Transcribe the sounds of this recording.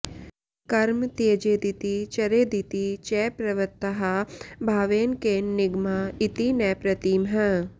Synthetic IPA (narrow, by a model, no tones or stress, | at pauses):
kɐɾmt̪iɐd͡ʒeːd̪it̪it͡ʃɐɾeːd̪it̪it͡ʃɛːpɾɐʋɐt̪ːɐɦabʱaːʋeːnkeːnnɪɡmait̪inɛːpɾɐt̪iːmɦɐ